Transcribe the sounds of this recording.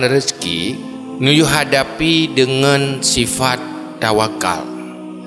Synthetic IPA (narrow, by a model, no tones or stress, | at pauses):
nɾəskḭ | ŋəjuɦadapidəŋansifat̪ː | awaka̰l